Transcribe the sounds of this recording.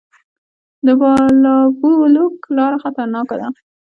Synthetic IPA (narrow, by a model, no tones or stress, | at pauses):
d̪əbɑlɑbuluklɑɾaxat̪aɾnɑkad̪a